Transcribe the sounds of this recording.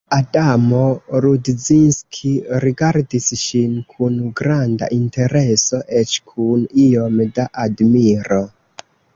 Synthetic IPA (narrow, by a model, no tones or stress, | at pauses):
adamo̞ɾudzinskʰiɾiɡaɾdisʃinkʰunɡɾanda̰ʔinte̞ɾe̞so̞ʔet͡ʃkʰunio̞mdaʔadmiɾo